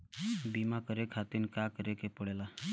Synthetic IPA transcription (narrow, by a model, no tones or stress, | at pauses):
bimakəɾekʰat̪inkakəɾekepəɽela